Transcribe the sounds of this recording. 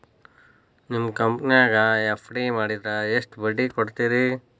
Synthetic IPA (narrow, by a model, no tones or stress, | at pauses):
nimkɐmpniaːɡɐepʰɽimaːɽid̪ɾɐesʈbɐɖːikoɽt̪iːɾi